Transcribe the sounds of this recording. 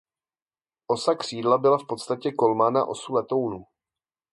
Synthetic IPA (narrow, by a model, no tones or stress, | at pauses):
ʔo̞sakr̝̥iːdlabɪlafpo̞t̪st̪acɛko̞lmaːna̰ʔo̞̰sulɛt̪o̞wnu